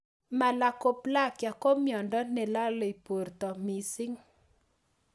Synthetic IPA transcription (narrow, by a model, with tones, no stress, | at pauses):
ma˨la˨ko˦pla˦˨kja˨ko˦mjɔ˨ndɔ˦nɛ˨la˦lɔ˨i˨po˨rt̪ɔ˨mi˨sɪ˦ŋ